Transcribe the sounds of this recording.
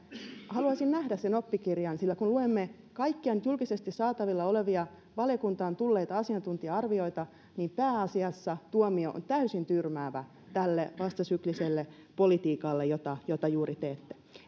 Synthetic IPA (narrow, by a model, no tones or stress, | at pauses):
hɑluɑsinnæhdæssenopːikirjɑnsilːækunluemːe | kɑikːiɑnyt̪julkisest̪issɑːt̪ɑʋilːɑoleʋiɑ | ʋɑljokunt̪ɑːnt̪ulːeːt̪ɑɑsiɑnt̪unt̪iɑɑrʋio̞it̪ɑ | niːmpæːɑsiɑsːɑt̪uomioʔo̰nt̪æysint̪yrmæːʋæ | t̪ælːeʋɑst̪ɑsykliselːe | polit̪iːkɑlːejot̪ɑjot̪ɑjuːɾit̪eːt̪ːe̥